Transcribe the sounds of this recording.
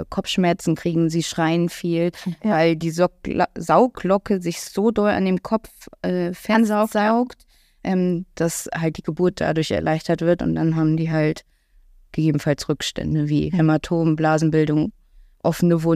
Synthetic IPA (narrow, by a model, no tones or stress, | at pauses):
kʰɔp͡fʃmɛɐt͡sn̩kʁ̥iːɡŋ̩ziːʃʁ̥aɪnfiːlvaɪldiːzaʊklɔkəzɪçz̥oːdɔla̰ndeːmkʰɔpp͡fʔɛːfɛɐnzaʊz̥aʊkt | ʔɛːmd̥ashalt̚d̥iːɡəbuɐt̚d̥a̰dʊɐçɛ̰ɐlʔaɪçtɐtv̥ɪɐtʊ̰nt̚d̥anɦaːbm̩diːɦalt | ɡ̥əɡeːbm̩falsʁʏkʃtʰɛ̰ndəvḭːhɛmatʰoːmblaːzn̩bɪldʊŋ | ʔɔfənəvʊ